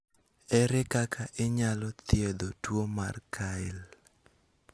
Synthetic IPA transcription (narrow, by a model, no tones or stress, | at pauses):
ɛɾɛkakʰaʔeɲalɔt̪jed̪otwoma̰rkʰaɪl